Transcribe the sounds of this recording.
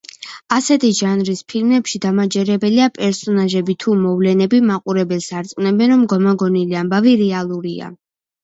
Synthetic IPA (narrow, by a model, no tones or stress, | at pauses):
asɛt̪ʰiʒanɾispʰilmɛpʃid̪amad͡ʒɛɾɛbɛliapʼɛɾsɔnaʒɛbit̪ʰumɔvlɛnɛbimaqʼuɾɛbɛlsaɾt̪sʼwnɛbɛnɾɔmɡɔmaɡɔniliambaviɾɛalˠuɾia̰